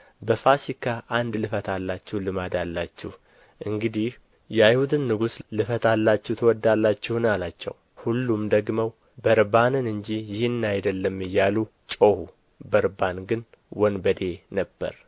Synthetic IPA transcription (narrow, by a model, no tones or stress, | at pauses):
bəfasikʰaʔand̪lɨfət̪ʰalːat͡ʃːɛhlɨmad̪alːat͡ʃːɪ̰h | ʔɨŋɡɨd̪ih | jɛajhud̪ɨnːɨɡuslɨfət̪ʰalːat͡ʃːɛwt̪ʰəwɔd̪ːalːat͡ʃːɪhnalat͡ʃːɛ̰w | hulːumd̪əɡməw | bəɾbanɨnɨɲd͡ʒijɪhɨnːajd̪əlːəmːɨjːalu | t͡ʃʼohu | bəɾbanɡɨn | wɔnbəd̪e̞nəbːə̰ɾ